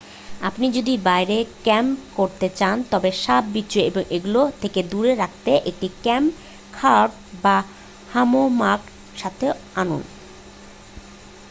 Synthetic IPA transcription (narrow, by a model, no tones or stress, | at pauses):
apnid͡ʑod̪ibajɾekɛmkoɾt̪et͡ɕant̪ɔbeʃabbitːɕoeboŋʔeɡulot̪ʰeked̪uɾeɾak̚ʰt̪eʔek̚ʈikɛm | kʰaʈ | ba | hamomak | ʃat̪ʰeanṵn